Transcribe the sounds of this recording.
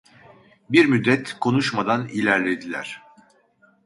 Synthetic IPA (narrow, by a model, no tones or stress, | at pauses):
biɾmyd̪ːɛt̪kʰo̞nuʃmad̪anilʲæɾlʲe̞d̪ilʲæ̰ɾ̝̥